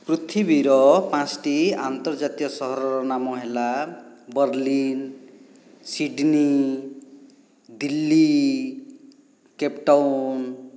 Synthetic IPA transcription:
kɾut̪ʰibiɾɔpãt͡sʈiant̪ɔɾd͡ʒat̪ijɔsɔɦɔɾɔɾɔnamɔɦelabʌɾlin | siɖni | d̪ilːi | kepʈawn

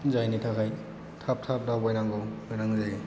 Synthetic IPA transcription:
zajnitʰakʰaj | tʰap̚tʰap̚dawbɔjnaŋɡawbɔjnaŋzaj

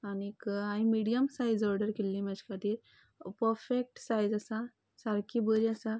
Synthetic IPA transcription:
anikaĩmiɖijəmsajzɔɾɖəɾkilːimat͡ʃkʰat̪iɾ | pəɾfʰek̚ʈsajzasa | saɾkibəɾiasa

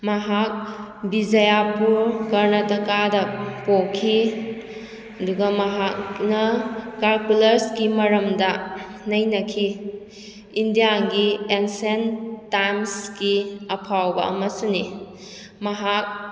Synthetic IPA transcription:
mɐɦak̚bid͡ʒɐjapuɾkɐɾnɐtɐkadɐpokʰːi | ɐduɡɐmɐɦaknɐkalkulɐɾskimɐɾɐmdɐ | nɐjnɐkʰi | indijaɡiensentajmskiɐpʰawbɐ̰ɐ̰mɐsuni | mɐɦak̚

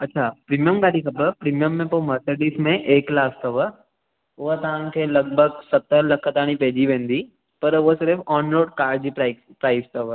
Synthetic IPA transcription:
ɐtːʃʰapɾiːmijəmɡaːɽikʰɐbəpɾiːmijəmːẽpoməɾseɖismẽʔeːklaːst̪ɐʋə | ʊɦət̪ɐʋ̤ãkʰeːlɐɡ̚bʱəɡsɐt̪ːəɾlɐkʰt̪aːɽ̃ipeːd͡ʑiʋẽːn̆d̪i | pɐɾʊɦəsɪɾfɔːnɾoːɖkaːɾd͡ʑipːɪ | pɾaːɪst̪əʋə

